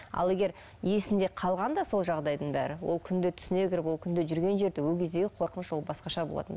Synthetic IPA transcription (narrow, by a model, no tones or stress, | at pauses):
ɑ̰lˠe̞ɡʲe̞ɾ | jesɪnd̪e̞qʰɑlˠʁɑnd̪ɑso̞lˠʒɑʁd̪ɑjd̪əɴbæ̰ɾɪwolˠkʲʰʏnd̪ɪt̪ʰʏ̥sɪne̞kʲɪɾɪpwo̞lˠkʲʰʏnd̪ɪʒʏɾɡʲe̞nʒe̞ɾd̪ɪwɵlkʲʰezd̪e̞ɡʲɪqʰo̞ɾqənʃwo̞lˠbɑsqɑʃɑbo̞lˠɑ̰t̪ən